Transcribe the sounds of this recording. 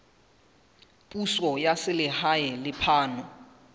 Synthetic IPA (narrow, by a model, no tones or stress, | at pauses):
pʼusɔjasɪlɪhajɛlɪpʰaːnɔ